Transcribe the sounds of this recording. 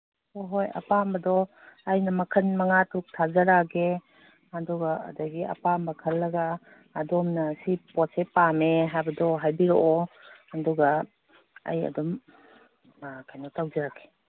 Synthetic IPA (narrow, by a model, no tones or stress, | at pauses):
oɦojɐ̰pambɐdɔ | ajnɐmɐkʰɐnmɐŋatɾuk̚tʰazaɾaɡe | andɔɡa̰ːdaɡiɐ̰pambɐkʰɐlːɐɡaː | dɔmnɐsipɔtsepameɦajbɐdɔɦajbiɾoʔɔɐndɔɡa | a̰jɐ̰dɔm | akʰajnɔtawzaɾake̥